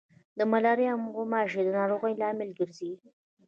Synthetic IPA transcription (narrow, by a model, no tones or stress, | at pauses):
d̪əmalɑɾeamɣomɑʒed̪ənɑɾoɣəjlɑmɪlɡəɾzi